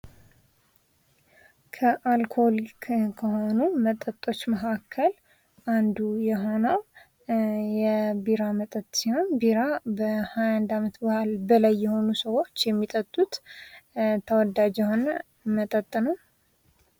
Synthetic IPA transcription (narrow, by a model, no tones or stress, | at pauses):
kʰəʔalkʰo̞likkʰːəɦo̞numət̪ʼət̪ʼːo̞t͡ʃːməkʰakʰːəl | ʔand̪ujɛɦo̞nəw | jɛbiɾamət̪ʼət̪ʼːsiho̞nbiɾabəhajand̪amət̪bəhalbəlajːɛho̞nusəwo̞t͡ʃːjɛmːit̪ʼət̪ʼːut̪ | t̪ʰəwɔd̪ad͡ʒɛhonə | mət̪ʼət̪ʼːnəw